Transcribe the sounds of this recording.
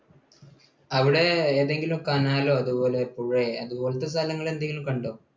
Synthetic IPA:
ɐʋiɽe̞eːðe̞ŋɡilumkaːnaːlo̞ːɐðupo̞ːle̞puɻeɐðubo̞ːlɐt̪ːes̬t̪ɐlɐŋːɐɭe̞nd̪ɐŋɡilumkɐɳɖoː

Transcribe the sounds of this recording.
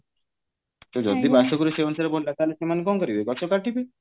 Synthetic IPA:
sod͡ʒɔd̪ibasɔkuɾeseɔnsaɾebollat̪aɦlesemanekɔmkɔɾibekɔt͡ʃʰɔkaʈibe

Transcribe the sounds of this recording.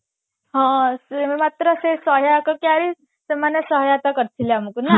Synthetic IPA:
ɦãsmmat̪ɾəsesəɦjakəkjaɾi | semanjəsəɦjat̪akəɾt̪ʰiljamukuna

